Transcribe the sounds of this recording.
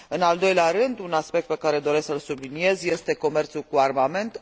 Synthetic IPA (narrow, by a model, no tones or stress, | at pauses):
ɨnald̪o̞jleaɾɨnd̪unaspek̚t̪̚pe̞kaɾe̞d̪o̞ɾesksəlsublinie̞zje̞st̪e̞ko̞me̞rt̪sulkuarmame̞nt̪